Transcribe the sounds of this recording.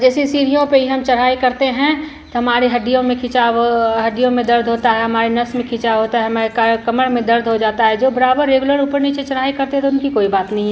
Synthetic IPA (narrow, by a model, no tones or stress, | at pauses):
d͡ʒɛːsisiːɾijõpeɦiɦɐmt͡ʃɐɽ̤aːikɐɾt̪eɦɛ̃ | t̪oɦɐmaːɾeɦɐɖijõmẽkʰɪt͡ʃaɦɐɖijõmẽd̪ɐɾd̪ʱɦoːt̪aɦɛɦɐmaːɾenɐsmẽkʰɪt͡ʃaɦoːt̪aɦɛɦmakkɐməɽmẽd̪ɐɾd̪ʱɦod͡ʒaːt̪aɦɛd͡ʒoːbɐɾaːbəɾːeːɡuləɾuːpəɾnit͡ʃet͡ʃɐɽaːikɐɾt̪eɦɛ̃t̪oʊnkikoːibaːt̪nəɦĩɛ